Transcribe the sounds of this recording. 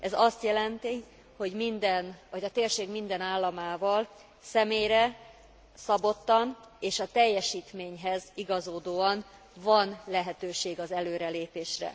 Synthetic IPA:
ɛzɒst̪jɛlɛnt̪i | ho̞ɟmind̪ɛnɒɟɒt̪eːrʃeːɡmind̪ɛnaːlːɒmaːvɒl | sɛmeːjɾɛ | sɒbo̞t̪ːɒn | eːʃɒt̪ɛjːɛʃiːt̪meːɲɦɛziɡɒzoːd̪oːɒn | vɒnlɛɦɛt̪øːʃeːɡɒzɛløːɾɛleːpeːʃrɛ̰

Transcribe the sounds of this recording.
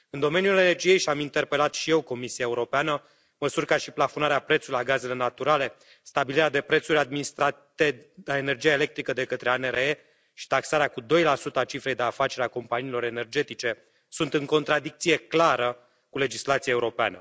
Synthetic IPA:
ɨnd̪o̞me̞njule̞ne̞rd͡ʒije̞jʃiamint̪e̞rpe̞lat̪ʃije̞wko̞misiaeuɾo̞peanə | məsurʲkaʃiplafo̞naɾeapɾet̪sulujaɡaze̞le̞nat̪uɾale̞ | st̪abiliɾead̪e̞pɾe̞t̪suɾʲad̪̚minist̪ɾat̪eaene̞rd͡ʒijaele̞kt̪ɾikəd̪e̞kət̪ɾe̞aneɾee | ʃi̥t̪aksaɾeakud̪o̞jlasut̪əat͡ʃifɾe̞jd̪e̞afat͡ʃe̞ɾeako̞mpaniːlo̞ɾe̞ne̞rd͡ʒe̞t̪it͡ʃe̞ | sunt̪ɨŋko̞nt̪ɾad̪ik̚t̪sije̞klaɾə | kule̞d͡ʒislat̪sijaeuɾo̞pea̰nə

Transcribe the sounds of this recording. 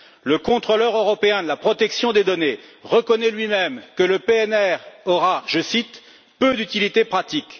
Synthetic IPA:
ləkɔ̃t̪χɔlœʁøʁɔpeɛ̃d̪əlapχɔt̪ɛksjɔ̃d̪ed̪ɔneʁəkɔnɛlɥimɛmkələpeɛnɛʁɔʁaʒəsit̪ | pød̪yt̪ilit̪epχat̪ik

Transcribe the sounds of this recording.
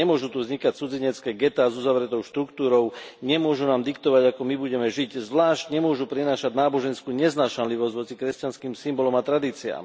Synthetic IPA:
ɛmʊɔʒut̪uvzɲikact͡sud͡ziɲɛt͡skɛːɡɛt̪aːzuzaʋɾɛt̪ɔʊʃt̪ɾukt̪uːɾɔʊɲɛmʊɔʒunaːmd̪ikt̪ɔʋaɟakɔmibuɟɛmɛʒiczʋlaːʃcɲɛmʊɔʒupɾinaːʃaɟ̪naːbɔʒɛnskuːɲɛznaːʃanliʋɔzɟʋɔt͡sikɾɛscanskiːmsimbɔlɔmat̪ɾad̪iːt͡sia̰ːm

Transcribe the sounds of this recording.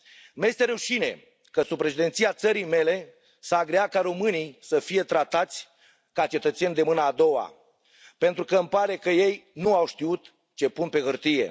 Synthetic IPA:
mjest̪e̞ɾeuʃine̞̰ | kəsubpɾeʃid̪e̞nt̪siat̪səɾijme̞le̞ | saːɡɾeakaɾo̞mɨnijsəfije̞t̪ɾat̪at̪sʲ | kat͡ʃe̞t̪ət̪se̞nʲd̪e̞mɨnaːd̪o̞wa̰ | pe̞nt̪ɾukəɨmpaɾe̞kəje̞jnuawʃt̪iut̪ | t͡ʃe̞punpe̞ɣɨrt̪ije̞̰

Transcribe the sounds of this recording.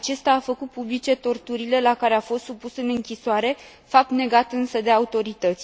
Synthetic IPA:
at͡ʃe̞st̪aːfəkut̪̚publit͡ʃe̞t̪o̞rt̪uɾile̞lakaɾe̞afo̞st̪supusɨnɨŋkʲisoaɾe̞ | fap̚t̪ne̞ɡat̪ɨnsəd̪e̞aut̪o̞ɾit̪ət̪sʲ

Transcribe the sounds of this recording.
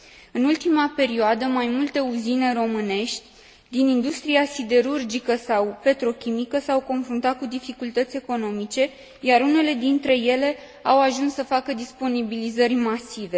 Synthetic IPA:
ɨnult̪imape̞ɾioad̪əmajmult̪e̞uzine̞ɾo̞mɨne̞ʃt̪ʲ | d̪inind̪ust̪ɾiasid̪e̞ɾurd͡ʒikəsawpe̞t̪ɾo̞kʲimikəsawko̞nfɾunt̪at̪̚kud̪ifikult̪ət̪sʲe̞ko̞no̞mit͡ʃe̞ | jaɾune̞le̞d̪int̪ɾe̞je̞le̞ | awaʒunsːəfakəd̪ispo̞nibilizərʲmasive̞

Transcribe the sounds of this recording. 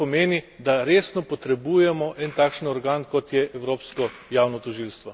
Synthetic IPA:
ɔmeːnid̪aɾeːsnɔpɔt̪ɾɛbuːjɛmɔʔɛnt̪aːkʃənɔɾɡaːnkɔt̪jɛʔɛwɾoːpskɔ | jaːwnɔt̪ɔʒiːlst̪ʋɔ

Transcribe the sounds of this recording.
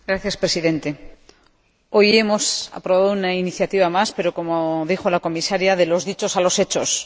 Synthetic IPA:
ɡɾaθjaspɾe̞siðe̞nt̪e̞ | o̞je̞mo̞sa̰pɾo̞βaðounainiθjat̪iβamaspe̞ɾo̞ko̞moðixo̞lako̞misaɾjaðe̞lo̞zðit͡ʃo̞salo̞se̞t͡ʃo̞s

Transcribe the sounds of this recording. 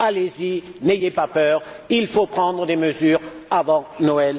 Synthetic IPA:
alezinejepapœːʁ | ilfopχɑ̃d̪ʁəd̪eməzyːʁ | avɑ̃nɔɛl

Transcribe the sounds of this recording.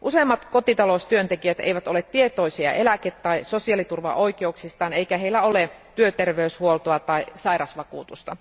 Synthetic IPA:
ʔusemːɑt̪ko̞t̪it̪ɑlost̪yønt̪ekiæt̪ḛiʋæt̪o̞let̪tiet̪o̞isiɑ̰ʔe̞læket̪ːɑisosiɑlit̪urʋɑ̰ʔo̞ikeuksist̪ɑːne̞ikæɦeilːæolet̪yøt̪erʋeyshuolt̪oɑt̪ɑisɑiɾɑsʋɑkuːt̪ust̪ɑ

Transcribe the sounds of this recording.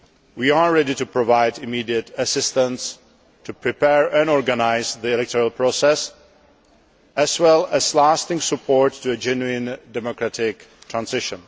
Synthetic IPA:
wiːaɹɛditupɹɔvaɪdɪmiːdiətəsɪstə̃ns | tupʰɹɪpɛɹɛ̃nɔɹɡanaɪzðiɛlɛk̚tɔɹalˠpʰɹosɛs | ʔɛswɛlˠɛzlastɪ̃ŋsəpʰɔɹtʰːuəd͡ʒɛnuɪ̃ndɛmokɹatɪk | tʰɹãnsɪʃə̃n

